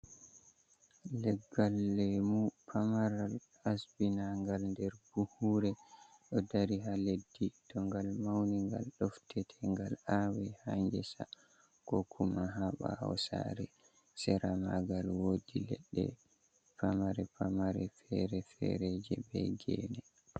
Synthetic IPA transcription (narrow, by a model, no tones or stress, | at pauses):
lɛɡːalːɛmupʰamaɾal | asbinaŋɡalndɛɾb̥uhuɾɛɗɔdaɾiɦaledːidɔŋɡalmawniŋɡa̰lɗɔftʰɛtʰɛŋɡalawɛhaɲd͡ʒɛsa̰ | kɔkʰumaɦaɓa̰a̰wsa̰ɾɛ | sɛɾamaɡalwodilɛ̰ɗːɛ̰ | pʰamaɾɛpʰamaɾɛfɛɾɛfɛ̰ɾɛd͡ʒɛbɛɡɛ̰nɛ